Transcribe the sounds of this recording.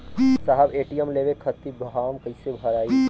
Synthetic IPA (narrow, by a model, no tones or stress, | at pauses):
saɦəbeːʈijəmleʋekʰət̪iɡɦaːmkəɪsebʱɐɾaːi